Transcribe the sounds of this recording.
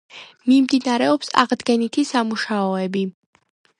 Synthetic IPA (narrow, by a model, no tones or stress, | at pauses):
mimd̪inaɾɛɔpsa̰ʁd̪ɡɛnit̪ʰisamuʃaɔɛbi